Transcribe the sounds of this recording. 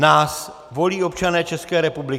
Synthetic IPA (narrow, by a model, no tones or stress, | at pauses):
naːs | vo̞liːo̞pt͡ʃanɛːt͡ʃɛskɛːɾɛpublɪ